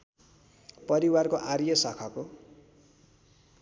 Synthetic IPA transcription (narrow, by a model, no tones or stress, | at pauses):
pʌɾiwarkoʔarjʌsakʰako